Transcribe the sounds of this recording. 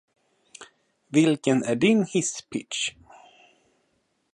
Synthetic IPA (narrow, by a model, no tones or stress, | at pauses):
vɪlkənæɖɪnhɪspʰɪtʃ